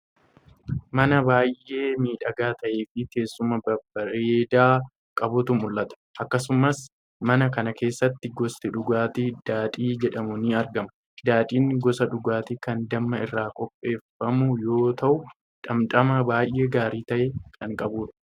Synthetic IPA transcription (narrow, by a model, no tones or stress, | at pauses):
mɐnɐbaːjʔːe̞ːmiːᶑɐɡaːt̪ɐʔeːfɪk̪e̞ːsːʊmɐbɐbɐɾeːd̪aː | kʼɐbʊt̪ʊmːʊlʔɐt̪ɐ̥ʔɐkːɐsʊmɐs | mɐnɐkɐnɐke̞ːsːɐt̪ːɪɡɔst̪ɪᶑʊɡaːt̪id̪̥aːᶑ̪ʼiːd͡ʒɛᶑɐmʊniɐɾɡɐmɐ | d̪aːt̪ʼiːnɡɔsɐᶑʊɡaːt̪ikɐnd̪ɐmːɐɪrːaːkʼɔpʼːe̞ːfːɐmʊjo̞ːt̪ɐʔʊ | ᶑɐmt̪ʼɐmɐbaːjʔe̞ːɡaːɾiːt̪ɐʔekʰɐŋkʼɐbuːᶑɐ̥